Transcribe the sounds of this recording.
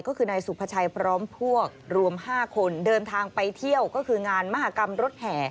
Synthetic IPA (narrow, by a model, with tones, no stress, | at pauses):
kɔː˥˩kʰɯː˧na˧jsu˨˩pʰa˧t͡ɕʰa˧jpʰɾɔː˦˥mpʰu˥˩ək̚ɾu˧əmhaː˥˩kʰo˧ndɤː˧nt̪ʰaː˧ŋpa˧jt̪ʰi˥˩əwkɔː˥˩kʰɯː˧ŋaː˧nma˦˥ɦaː˨˦ka˧mɾo˦˥t̪̚hɛː˩˦